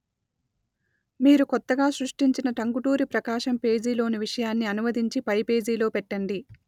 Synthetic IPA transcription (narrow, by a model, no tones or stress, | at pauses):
miːɾukɔt̪ːɐɡaːsɾuʂʈiɲt͡ʃinɐʈɐŋɡuʈuːɾipɾɐkaːʃɐmpe̞ːd͡ʒiːlo̞ːniʋiʂɐjaːnːiɐnumɐd̪iɲt͡ʃipɐjpe̞ːd͡ʒiːlo̞ːpɛʈːɐɳɖi